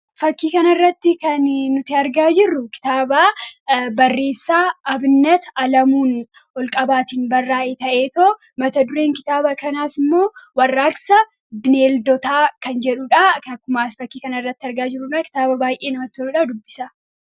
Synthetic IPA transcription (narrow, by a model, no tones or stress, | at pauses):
fɐkːiːkɐnɐɪrːɐt̪ːɪkɐnːʊt̪ɪɐɾɡaːd͡ʒɪrːʊkɪ̥t̪aːbaːbɐrːe̞ːsːaːɐbnːɐt̪ɐlɐmuːnɔlkʼɐbaːt̪iːnbɐrːaːʔeːt̪ɐʔeːt̪oː | mɐt̪ɐd̪ʊɾe̞ːŋkɪt̪aːbɐkɐnaːsɪmːo̞ːwɐrːaːksɐ | bɪneːld̪ɔt̪aːkɐnd͡ʒɛᶑʊᶑɐkːʊmaːsfɐkːiːkɐnɐɪrːɐt̪ːɪɐɾɡaːd͡ʒɪrːʊᶑɐkɪ̥t̪aːbɐbaːjʔe̞ːnɐmɐt̪ʊɾʊᶑaːd̪ʊbːɪ̥sɐ